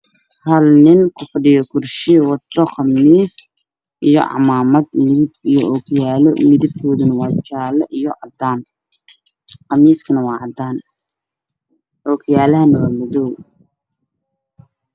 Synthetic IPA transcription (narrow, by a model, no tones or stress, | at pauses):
hɐlnɪŋkʰʊfɐɖɪjɔkʰʊrʃɪwɑt̪ːɔχɑmiːs | ʔijɔ̰ʕɑ̰maːmɐd̪mɪðɪb̚ijɔʔɔkʰjaːlɔmɪðɪb̚kʰɔːðʊnɐwɑːt͡ʃaːlɐʔijɔʕɑd̪aːn | qɑmiːskʰɐnɐwɑːʕɑd̪aːn | ʔɔːkʰjaːlɐɦɐnɐwɐmɐðɔw